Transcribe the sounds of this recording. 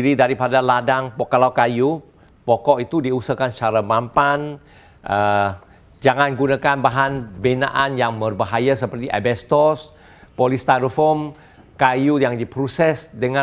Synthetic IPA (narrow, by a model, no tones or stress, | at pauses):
iɾidaɾipadaladaŋpɔkalawkaju | pɔkɔʔit̪udiusəkanst͡ʃaɾamampan | ʔə | d͡ʒaŋanɡunakanbaɦanbena̰ʔanjaŋmərbaɦajasəpərt̪iʔabɛst̪ɔs | polist̪aɾəfɔm | kajujaŋdipɾusɛsdəŋa